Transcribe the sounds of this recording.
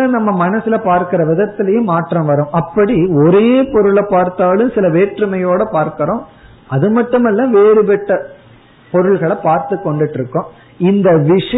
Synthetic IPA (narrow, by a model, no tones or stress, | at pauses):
ɐnɐmːɐmɐnɐsɪlɐpaːɾkɐɾɐʋɪðɐt̪ːɪlɐjɯmaːʈrɐ̃mʋɐɾɯ̃ʔɐpːɐɽiɔɾeːpɔɾɯɭɐpaːɾt̪aːlɯ̃msɪlɐʋeːʈrɯmɐjoːɽɐpaːɾkɐɾõː | ɐðɯmɐʈːɯmɛlːãːʋeːɾɯpɛʈːɐ | pɔɾɯɭɣɐɭɐpaːɾt̪ɯkːɔɳɖɪʈːɾɯkːʊ̃ | ɪnd̪ɐʋɪʂɐ